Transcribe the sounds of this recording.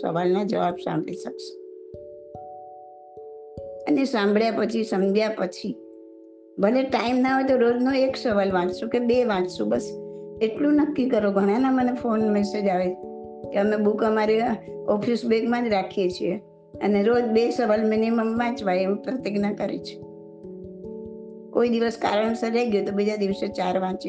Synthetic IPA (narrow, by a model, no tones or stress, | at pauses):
sə̰ʋalnad͡ʒəʋabsã̰mbʱɭiʃəkʃe̥ | ə̰nesãmbɭjapət͡ʃʰisəmd͡ʒʱjapət͡ʃʰi | bʱəleʈaimnaɦot̪oɾod͡ʒnoeksəʋalʋãʈsũkebeʋãʈsũbəseʈlũnəkːikəɾoɡʱəɽ̃ãnamənefonmɛsed͡ʒaʋe | keəmebukəmaɾe | ɔpʰisbeɡmãd͡ʒɾakʰijet͡ʃʰie | ə̰neɾod͡ʒbesəʋalminiməmʋãt͡ʃʋajeʋũpɾət̪iɡnakəɾḛt͡ʃʰe̥ | koid̪iʋəska̰ɾəɳ̃səɾɛɡjot̪obid͡ʒad̪iʋəset͡ʃaɾʋãt͡ʃe